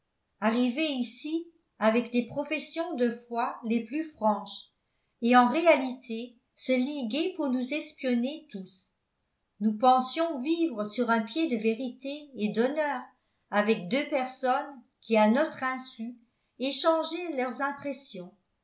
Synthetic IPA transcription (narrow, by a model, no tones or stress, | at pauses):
aʁiveisi | avɛkd̪epχɔfɛsjɔ̃d̪əfwaleplyfχɑ̃ʃ | eɑ̃ʁealit̪ʰe | səliɡepuʁnuzɛspjɔnet̪us | nupɑ̃sjɔ̃vivʁəsyʁɛ̃pjed̪əveʁit̪eːd̪ɔnœːʁ | avɛk̚d̪øpɛʁsɔn | kʲianɔt̪χɛ̃sy | eʃɑ̃ʒɛlœʁzɛ̃pχesjɔ̃